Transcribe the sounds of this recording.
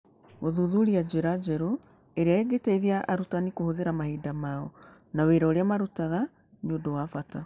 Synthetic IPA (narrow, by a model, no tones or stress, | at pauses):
ɣoðuðuɾiad͡ʑeɾad͡ʒɛɾo | eɾeaeɡeteiðiaʔaɾutanikohoðeɾamahiːdamaɔ | naweɾaoɾeamaɾutaɣa | niondowafata